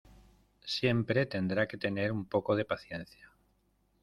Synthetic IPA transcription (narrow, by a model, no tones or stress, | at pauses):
sje̞mpɾe̞t̪e̞nd̪ɾake̞t̪e̞ne̞ɾumpo̞koð̞e̞paθje̞nθja